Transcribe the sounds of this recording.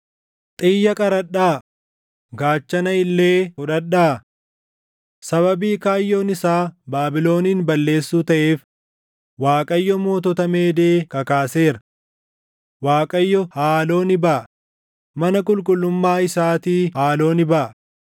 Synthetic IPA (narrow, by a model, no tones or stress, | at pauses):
t̪ʼɪjːɐkʼɐɾɐɗaː | ɡaːt͡ʃːɐnɐɪlːeːkʊᶑɐᶑaː | sɐβɐbiːkaːjːo̞ːnɪsaːbaːbɪlo̞ːniːnbɐlːe̞ːsːuːt̪ɐʔe̞ːf | waːkʼɐjːɔmo̞ːt̪ɔt̪ɐme̞ːd̪e̞ːkɐkaːse̞ːɾɐ | waːkʼɐjːɔhaːlo̞ːnɪbɐʔ | mɐnɐk̬ʼʊlkʼʊlːʊmːaːɪsaːt̪iːhaːlo̞ːnɪbɐʔ